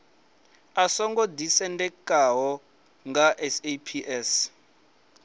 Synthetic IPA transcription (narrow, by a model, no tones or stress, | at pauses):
asɔŋɡɔdisɛndɛkʼaɦɔ | ŋɡaʔɛsepʰiʔɛs